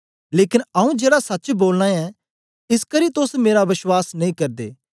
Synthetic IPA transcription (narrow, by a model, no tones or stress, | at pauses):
leːkɪnɐũd͡ʒeːɽasɐtːt͡ʃboːlñãɛ | ɪskɐɾit̪ʊsmeːɾaʋɪʃwaːsnɐĩkɐɾd̪ḛː